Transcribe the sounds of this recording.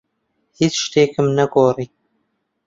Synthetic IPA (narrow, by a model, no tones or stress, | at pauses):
hit͡ʃʃt̪eːkɨmnɐɡoːriː